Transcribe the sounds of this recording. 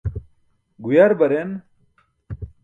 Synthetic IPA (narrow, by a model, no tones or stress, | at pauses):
ɡujaɾbɐɾen